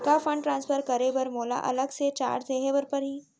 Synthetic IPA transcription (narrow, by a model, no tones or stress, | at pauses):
kafɐ̃ɳɖʈɾãːnspʰəɾkɐɾebɐɾmoːla̰ʔɐ̰ləɡset͡ʃa̰ːɾseːɦebəɾpɐɾɦiː